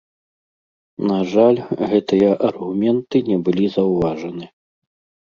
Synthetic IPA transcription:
naʐalʲɣɛt̪ɨjɐʔɐrɣumʲɛnt̪ɨnʲɛbɨlʲizɐwvaʐɐnɨ

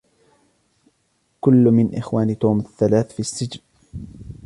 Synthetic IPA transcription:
kʊlːmɪnʔɪ̰xwaːnit̪uːmaθːalaːθfisːɪd͡ʒn

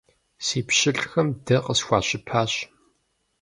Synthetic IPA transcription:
siːpɕɪɬxɐmdɐqəsxʷɑːɕɪpʰaːɕ

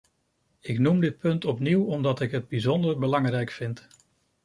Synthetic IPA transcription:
ɪknumdɪt̚pɵntɔpniwɔmdɑtɪkɦəd̚bizɔndəɹbəlɑŋrɛjkfɪnt

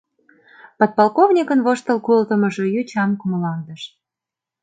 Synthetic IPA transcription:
pot̪̚pɑlkovnʲikənβoʃt̪ə̆lkult̪əməʒojyt͡ɕɑmkuməlɑnd̪əʃ

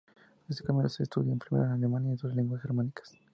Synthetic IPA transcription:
est̪ekamĩnoseːst̪uðjaempɾimeɾanalemanjait̪oaleŋɡwasɣeɾmanikḁs

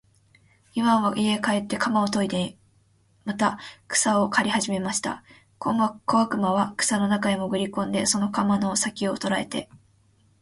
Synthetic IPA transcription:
imaβaʔie̞kae̞t̪ːe̞kamao̞t̪o̞id̪e | mat̪akɯ̥sao̞kʰaɾʲihaʑime̞maɕi̥t̪a̰ | komakoakɯ̟maβakɯ̟̥sano̞nakaimo̞ɡɯ̟ɾʲikõ̞nd̪e̞so̞no̞kamano̞sakʲio̞t̪o̞ɾae̞̰t̪e̞̰

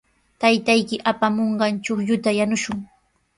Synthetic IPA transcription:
t̪ajt̪ajkɪʔapamoɴɢɑnt͡ʃoχʎʊt̪ajanʊʃʊŋ

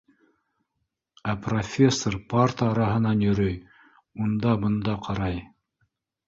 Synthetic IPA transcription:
æprofʲesːorpart̪əːɾɑɦɤ̆nɑnjɵ̆ɾɵj | und̪ɑbɤ̆nd̪ɑqʰɑɾɑj

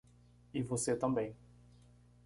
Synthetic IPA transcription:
ivoset̪ɐ̃mbẽj̃

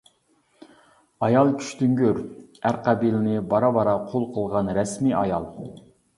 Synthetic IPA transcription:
ɑjɑlˠkʲʰy̥ʃt̪yŋɡʲyɾæɾqʰɑbilɪnɪbɑɾɑbɑɾɑqʰolˠqʰəlˠʁɑnɾɛsmiʔɑjɑlˠ

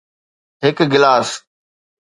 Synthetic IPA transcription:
ɦɪkɡɪlaːs

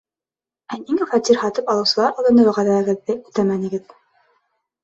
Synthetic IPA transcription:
æniŋæfɑt̪iɾhɑt̪ɤpɑlˠɤ̆wsɤ̆lˠɑɾʔɑlˠdɤ̆nɤwɤ̆ʁɑðæɘ̆ɡɘ̆ðːɘʉt̪æmænɘ̆ɡɘð

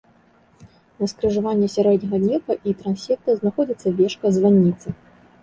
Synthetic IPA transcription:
nɐskɾɨʐavanʲːɛsʲaɾɛd̪ʲnʲɐɣɐd̪nʲɛkɐʔit̪ɾansʲɛkt̪ɐznaxɔd͡zʲit̪sːɐvʲɛʂkɐzvanʲːit̪sɨ

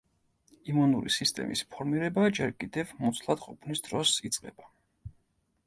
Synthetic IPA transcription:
imunuɾḭsist̪ʼɛ̰mispʰɔɾmiɾɛbad͡ʒɛɾkʼid̪ɛvmut̪sʰlˠad̪qʼɔpʰnisd̪̥ɾɔsit̪sʼqʼɛ̰b̥a

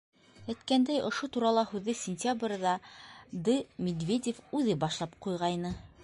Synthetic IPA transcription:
æjt̪kænd̪æjŏʃot̪uɾɑlˠɑhʉðːɘsʲɪnʲtʲabrʲðɑd̪ɘmʲed̪vʲedʲefʉðɘbɑʃlˠɑpqujʁɑjnɤ

